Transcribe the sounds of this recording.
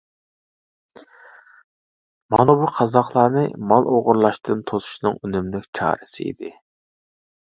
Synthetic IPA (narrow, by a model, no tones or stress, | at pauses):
mɑnɑbuqʰɑzɑχlˠɑːnɨ̰mɑlˠoʁʊɾlˠɑʃt̪ʰɨnt̪ʰozu̥ʃnɨŋynymlɪkʲt͡ʃʰɑ̰ːɾɨsɨḭd̪ɪ